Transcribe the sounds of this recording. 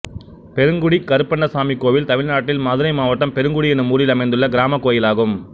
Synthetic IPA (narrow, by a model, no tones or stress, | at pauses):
pɛɾɯŋɡʊɽikɐɾɯpːɐɳɖɐsaːmikːoːʋɪlt̪ɐmɪɻnaːʈːɪlmaːðɯɾɐɪmaːʋɐʈːɐmpɛɾɯŋɡʊɽiɛnːɯmuːɾɪlɐmɐɪnd̪ɯɭːɐɡɪɾaːmɐkːoːjɪlaːɣɯm